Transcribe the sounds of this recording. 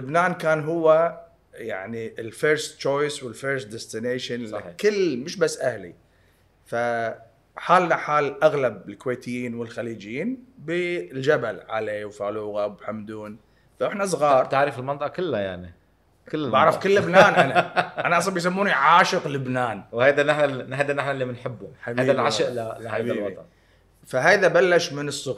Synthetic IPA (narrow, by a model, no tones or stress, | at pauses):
lʊbnaːnkaːnɦʊwːa | jaʕniɪlfeːɾst͡ʃoːjswɪlfeːɾsd̪ɛst̪ɪneːʃankɪlːmʊʃbasːʔahlḭ | fa | ħaːlnaħaːlʔaɣlab̚ɪlkweːt̪ɪjːiːnwɪlxaliːd͡ʒɪjiːnbild͡ʒabalʕa̰leːwfaːluːɣawɪbħamd̪uːn | faʔɪħnas̬ˤɣɑːɾˤt̪aʕɾɪfɪlmɑnt̪ˤɑʔɑkɪlːaja̰ʕni | kɪlːɪmaʕɾˤɑfkɪlːɪbnaːnʔanaʔʔanaʔɑsˤlɑmbijs̬amːuːniʕaːʃɨqlɪbnaːnwhajd̪anaħnahajd̪anaħnalːimɪnħɪbːʊmħabajːðalʕaʃɪʔlalhajaːlbwɑit̪ˤɑn | faɦajðabalːaʃmɪnɨsˤːʊɣ